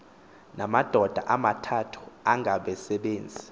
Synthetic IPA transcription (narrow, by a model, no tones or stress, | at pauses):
namad̥ʱɔd̥ʱaʔamatʰatʰu̥aŋʱaɓɛsɛɓeːnd͡zʱi